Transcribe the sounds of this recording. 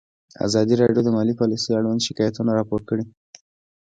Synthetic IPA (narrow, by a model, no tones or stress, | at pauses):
a̰zɑd̪iɾɑɖjod̪əmɑlipɑlisəjaɽwand̪ʃɪkɑjat̪unaɾɑpoɾkəɽi